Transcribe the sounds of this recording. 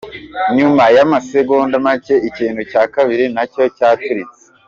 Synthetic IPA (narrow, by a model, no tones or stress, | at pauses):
ɲumajamaseɡoːndamace̞ʔiciːnhucaːkaβiɾinaco̞caːtuɾit͡se̥